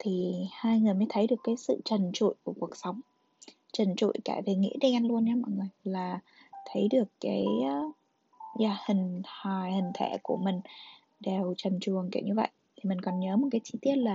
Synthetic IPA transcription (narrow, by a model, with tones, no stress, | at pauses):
t̪ʰi˨˩haː˧jŋɨ˨˩əjməː˨˦jt̪ʰə˨˦jɗɨ˨˩əkːaː˨˦jsɨ̰˧˨t͡ɕə˨˩nt͡ɕṵ˧˨jku˧˩ku˨˩ək̚sə˨˦wŋ͡m | t͡ɕə˨˩nt͡ɕṵ˧˨jkaː˧˩ve˨˩ŋḭ˧˥ɗɛ˧nlu˧əna˧˦ma̰˧˨ŋː˨˩laː˨˩ | t̪ʰə˨˦jɗɨ˨˩əkːaː˨˦j | zaː˧˩hï˨˩ŋ̟ha˨˩jhï˨˩ŋ̟t̪ʰe˧˩ku˧˩əmï˨˩ŋ̟ | ɗe˨˩wt͡ɕə˨˩mt͡ɕu˨˩əŋkḭ˧˩wɲɨ˧və̰˧˨jt̪ʰi˨˩mï˨˩ŋ̟kɔ˨˩nɲəː˨˦mo˨˩t̚kaː˨˦jt͡ɕi˧t̪i˦˥əp̚laː˨˩